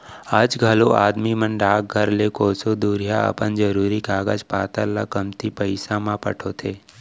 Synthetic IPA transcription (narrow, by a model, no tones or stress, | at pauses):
aːd͡ʒɡʱɐloʔaːd̪mimə̃nɖaːk̚ɡʱɐɾlekoːsod̪uːɾijaɐ̰pənd͡ʒəɾuːɾikaːɡəd͡ʒpaːt̪əɾlə̰kəmt̪ipəɪsãmãpə̰ʈʰot̪ʰeː